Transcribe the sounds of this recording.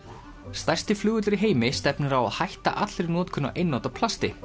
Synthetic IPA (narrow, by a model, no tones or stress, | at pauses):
st̪ajr̥st̪ɪflʏːɣʏt̪ʏɾɪɦeːjmɪst̪ɛpnʏɾawa̰ðhajht̪a̰ʔat̪lɾɪnɔːt̪kʰʏnːa̰ʔejnːɔːt̪apʰlast̪ɪ